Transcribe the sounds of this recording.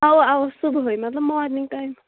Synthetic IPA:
awawsubʱɦojmat̪lɔb̚mɔwadniŋtajm

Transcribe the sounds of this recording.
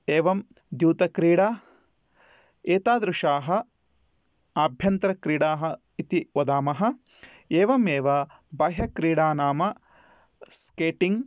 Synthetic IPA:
eːʋɐmd̪juːt̪ɐkɾiːɽaː | eːt̪aːd̪ɾuʃaːɦɐ̆ | abʱjɐnt̪ɾɐkɾiːɽaːɦɐ | it̪iʋɐd̪aːmɐɦɐ̆ | eːʋɐmeːʋɐbɐɦɐkɾiːɽaːnaːmɐ | skeːʈiŋ

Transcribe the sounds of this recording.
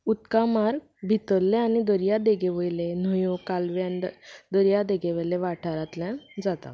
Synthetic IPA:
ut̪kamaɾ | bʱit̪əlːẽanid̪əɾijad̪eɡeʋəjlen̤əjõkalʋjand̪əɾjad̪eɡeʋəleʋaʈʰaɾat̪ljãd͡zat̪a̰

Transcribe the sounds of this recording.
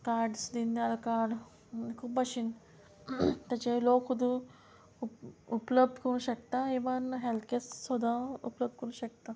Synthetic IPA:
kaɾɖsd̪ind̪jalkaɾɖ̪ | kʰuːpaɕin | t̪jat͡ɕeloːkɦud̪u | upləb̚d̪kɐɾũnɕɐkt̪aɦeʋanɦelt̪̚ʰkessɔd̪ʱaṵpləb̚d̪̚kɐɾunɕɐk̚t̪a

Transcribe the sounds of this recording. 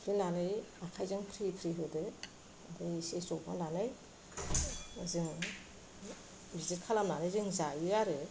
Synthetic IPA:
pʰɾinanɯjakʰajzɯŋpʰɾipʰɾiɦɯdɯ | dɯjsesɔba̰lanɯj | zɯŋ | bizit̚kʰalamnanɯjzɯŋzajɯaɾɯ

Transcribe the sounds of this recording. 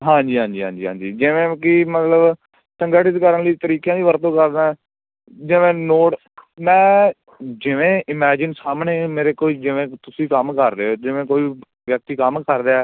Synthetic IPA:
ɦãːɲd͡ʒiːɦãːɲd͡ʒiːɦã̰ːd͡ʒiːɦã̰ːɲd͡ʒiːd͡ʒɪʋẽːkɪmət̪ləb | səŋɡəːʈɪt̪kəɾənləiːt̪əɾiːkjãːʋiːʋəɾt̪õːkəɾnaːɛ | d͡ʒɪʋẽːnoːʈ | mɛ̃ː | d͡ʒɪʋẽːʔɪmɛːd͡ʒɪnsaːmneːmeːɾeːkoːiːd͡ʒɪʋẽːt̪ʊsĩːkəmkəɾd̪eːoːd͡ʒɪʋẽːkoːiː | ʋjək̚t̪iːkəmkəɾd̪aɛː

